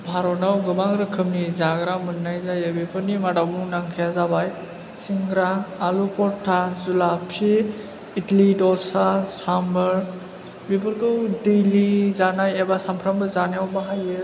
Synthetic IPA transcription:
bʱaɾɔnawɡɯbaŋɾɯkʰɯmnizaɡɾamɯnːajzajɯbipʰɯɾnimadawmunaŋkʰijazabaj | siŋɡɾaːlupɔtʰːazulapʰi | itlidɔsasambəɾ | bipɯɾkɯwdijlizanajɛbasampʰɾambɯzanjawbaɦajɯ

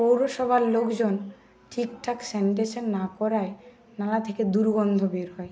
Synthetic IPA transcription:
powɾoʃɔbʱaɾlokd͡ʑon | ʈʰikʈʰaksenʈ̬eʃɔnːakɔɾae | nalat̪ʰeked̪uɾɡɔnd̪ʱobeɾɦɔe

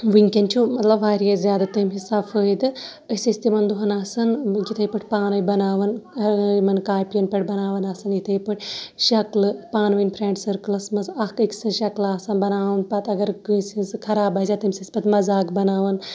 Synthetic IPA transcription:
ʋɨnʲkʲɐnʲt͡ʃʰumɐt̪lɐbaːɾijɐzʲjaːd̪at̪ɐmɦisaːbfʰəːjd̪ɨ | əsʲisʲt̪imɐnd̪uɦɐnaːsɐnɡit̪ʰɐjpɨʈʰʲpaːnɐjbɐnaːʋɐnɐmɐnkaːpijɐnpʲɐʈʲbɐnaːʋɐnaːsɐnjit̪ʰɐjpɨʈʰʲʃɐklɨpaːnʋɨnʲpʰɾẽːɳʈsɐɾklɐsmɐsɐkikʲsɨnʃɐklaːsɐnbɐnaːʋɐnpɐt̪ɐɡɐɾɡɨːsinsɨkʰɐɾaːbɐːzʲaːt̪ɐmʲsispɐt̪mɐzaːkbɐnaːʋɐn

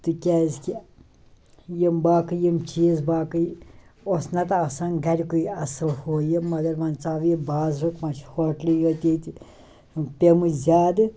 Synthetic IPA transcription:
t̪ɨkʲaːzkʲi | jembaːkɨjimt͡ʃiːzbaːkɨosnɐt̪ɐsanɡʱɐɾʲikuiɐsɨlhoːjemɐɡɐɾmɐnt͡saːʋjebaːzɾukmɐt͡ʃʰhoʈliɡɐt̪ʲet̪i | pʲemɨzʲaːd̪ɨ

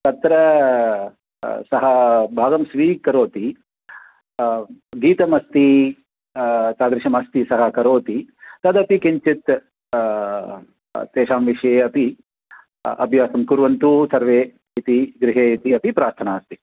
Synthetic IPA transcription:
t̪ɐt̪ɾɐ | sɐɦɐbʱaːɡɐmsʋiːkɐɾoːt̪i | ɡiːt̪ɐmɐst̪i | t̪aːd̪ɾiʃɐmɐst̪isɐɦɐkɐɾoːt̪it̪ɐd̪ɐpikiɲt͡ʃit̪ | t̪eːʃaːmʋiʂɐjeːɐpi | ɐ̰bʱjaːsɐmkuɾʋɐnt̪usɐɾʋeː | it̪iɡɾɪɦeːit̪iɐpipɾaːɾt̪ʰɐnaːst̪i

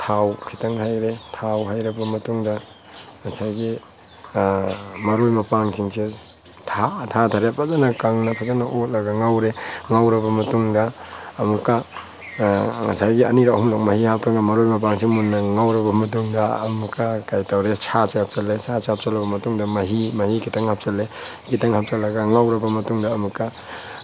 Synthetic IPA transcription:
tʰawkʰitɐŋhajɾetʰawɦajɾɐbɐmɐtuŋdɐ | ŋɐsajɡi | mɐɾojmɐpaŋsʰiŋse | tʰatʰatʰaɾepʰazanɐkaŋnɐpʰazanɐʔot̚lɐɡɐŋawɾeŋawɾɐbɐmɐtuŋdɐːmukːɐ | ŋɐ̰sajɡiɐ̰niɾahumlok̚mɐhihapɾaŋamɐɾojmɐp̬aŋsʰiŋmunːɐŋawɾɐbɐmɐt̬uŋdɐ̰ːmukːakajtawɾesʰaseap̚salesʰasehap̚salɐbɐmɐtuŋdɐmɐɦimɐhikitaŋhap̚sale | kitaŋɦap̚salːɐɡaŋawɾɐbɐmɐtuŋdɐːmukːa

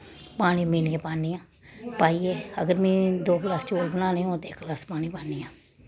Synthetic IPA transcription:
paːñiːmiːniãːpaːniːãː | paːieːəɡəɾmɛ̃ːd̪oːklaːst͡ʃoːlbənaːneːõːt̪eɪkːlaːspaːniːpaːniːãː

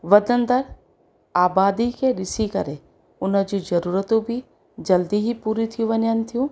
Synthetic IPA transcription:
ʋɐd̪ənd̪əɾ | aːbaːd̪ikʰeɾɪsikɐɾe | ʊnə̆d͡ʑiːzɐɾuːɾət̪ũbʱi | d͡ʑɐld̪iɦipuːɾit̪ʰijũʋɐnjanɪ̆t̪ʰijũː

